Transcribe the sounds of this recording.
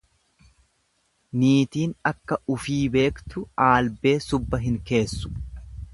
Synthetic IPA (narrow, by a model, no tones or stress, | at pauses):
niːt̪iːnɐkːɐʊfiːbe̞ːkt̪ʊaːlbe̞ːsʊbːɐɦɪŋke̞ːsːʊ̥